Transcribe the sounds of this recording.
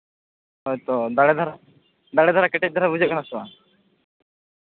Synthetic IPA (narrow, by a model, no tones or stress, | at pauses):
ɔjt̪ɔd̪aɽɛd̪ʱaɾa | d̪aɽɛd̪ʱaɾakɛʈɛc̚d̪ʱaɾabud͡ʒɛʔ̚kanasɔa